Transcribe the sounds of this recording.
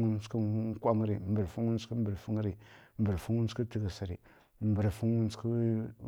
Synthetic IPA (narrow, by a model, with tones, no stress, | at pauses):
ŋu˦n˦skə˦kʷa˦ŋ˦ɾi˨mbə˨ɾfu˦ŋ˦u˦n˦skə˦mbə˨ɾfu˦ŋ˦ɾi˨mbə˨ɾfu˦ŋu˦n˦skə˦ti˦ɡə˨sa˨ɾi˨ | mbə˨ɾfu˦ŋ˦u˦nskə˦